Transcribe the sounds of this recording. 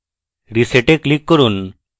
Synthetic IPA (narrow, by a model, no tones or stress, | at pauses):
ɾiseʈeklikːɔɾun